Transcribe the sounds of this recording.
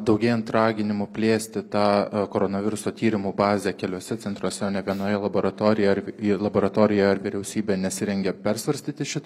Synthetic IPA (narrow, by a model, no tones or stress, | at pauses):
d̪ɒʊɡʲɛɪɐnt̪ɾɑːɡʲɪnʲɪmʊpʲlʲeːsʲt̪ʲɪt̪ɑːkoːɾoːnɐʋʲɪɾʊsoːt̪ʲiːɾʲɪmubɑːzʲɛkʲɛlʲoɔːsʲɛt̪t͡s̪ʲɛnt̪ɾuoɔsʲɛoːnʲɛɡɐnoːjɛlˠɐboːɾɐt̪oːɾʲɪjɛɐɾlˠɐboːɾɐt̪oːɾʲɪjɛɐɾʋʲɪɾʲɛʊsʲiːbʲeːnʲɛsʲɪɾʲɛŋʲɡʲɛpʲɛɾsʋɐɾʲsʲt̪ʲiːt̪ʲɪʃʲɪt̪ː